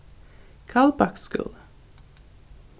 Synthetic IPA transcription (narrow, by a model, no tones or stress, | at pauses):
kʰɑːlbɑkskʉ̰ːl